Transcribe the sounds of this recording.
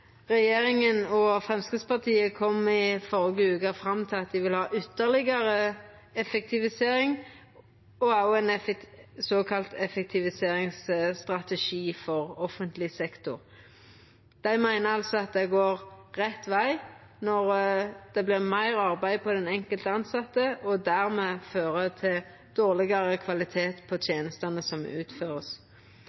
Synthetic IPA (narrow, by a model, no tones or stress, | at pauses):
ʁɛjeːɾɪŋənɔfɾɛmskɪspɑʁt̪ʰiːəkʰɔmɪfɔʁɪɡəʉːkɑfɾɑmːt̪ʰɪlɑt̪̚d̪ɪʋɪlhɑːʔʏt̪ːəʁlɪɡəɾə | ɛfɛk̚t̪ʰɪʋɪseːɾɪŋ | ɔɑʊɛnfsɔːkʰɑlt̪ɛfɛk̚t̪ʰɪʋɪseːɾɪŋsst̪ʁɑt̪ɛʃiːfɔʁɔfənt̪lɪsɛkt̪ʊʁ | d̪̥æɪmæɪnəɑlsɔɑt̪̚d̪ɛɡoːʁʁɛt̪ːʋæɪ | nɔʁd̪̥ɛblɪmæɪʁɑʁbæɪpʰɔd̪ɛnɛŋkəlt̪əɑnsɑt̪ːəɔd̪æʁmɛːføːʁət̪ʰɪl | d̪̥oːʁlɪɡɑʁəkʰʋɑlɪt̪ʰeːt̪pʰɔt̪ʰjeːnəst̪ɑnəsɔmʉ̰ːt̪føːʁəs